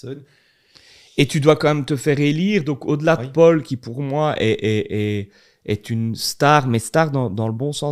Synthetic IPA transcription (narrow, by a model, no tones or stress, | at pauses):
et̪yd̪wakɑ̃mɛmt̪əfɛʁeliːʁd̪ɔ̃kod̪əlad̪əpɔlkʲipuʁmwaʔɛʔɛʔɛ | ɛt̪ynst̪aʁmɛst̪aʁd̪ɑ̃d̪ɑ̃ləbɔ̃sɑ̃